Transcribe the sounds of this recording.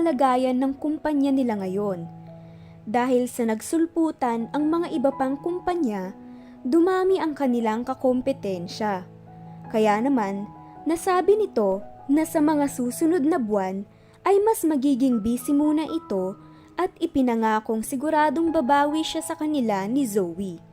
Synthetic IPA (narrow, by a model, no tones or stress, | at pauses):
ɐlɐɡaːjɐnːɐŋkʊmpɐɲːanɪlaŋɐjo̞n | d̪aːhɪlsɐnɐɡsʊlpuːt̪ɐnɐŋmɐŋaʔɪbɐpaŋkʊmpɐɲa | d̪ʊmaːmɪʔɐŋkɐnɪlaŋkɐkompɛt̪ɛnʃɐ | kɐjanɐmanː | ɐsaːbɪnɪt̪o̞nɐsɐmɐŋasuːsʊno̞d̪̚nɐbwan | ʔɐjmɐsmɐɡiːɡɪŋbiːsɪmuːnɐʔɪt̪o̞ | ʔɐt̪̚ʔɪpɪnɐŋaːko̞ŋsɪɡʊɾaːd̪o̞ŋbɐbaːwiʃasɐkɐnɪlanɪzowi